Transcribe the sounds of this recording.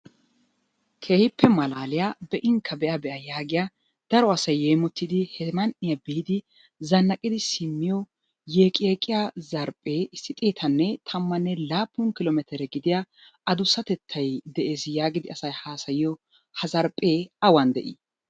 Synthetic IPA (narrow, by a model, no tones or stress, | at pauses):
kʰe̞ːhɪpʰːɛmɐlaːlɪjabɛʔɪŋkʰːɐbɛʔɐbɛʔɐjaːɡɪja | d̪̥ɐɾɔɐsɐjːeːmɔt̪ːɪd̪ɪhɛmɐnʔɪjɐbijɪd̪ɪ | zɐnːɐkʼɪd̪ɪsɪmːɪjɔ | jeːkʼeːkʼɪjazɐɾpʼːe̞ːʔɪsːɪt̪ʼeːt̪ʰɐnːɛt̪ʰɐmːɐnːɛlaːpːʊnkɪlɔmɛt̪ɛɾɛɡɪd̪ɪja | ɐd̪ʊsːɐt̪ɛt̪ʰːɐjd̪ɛʔe̞ːsjaːɡɪd̪ɪɐsɐjhaːsɐjɪjɔ | hɐzɐɾpʼːeːɐwɐnd̪ɛ̰ʔḭ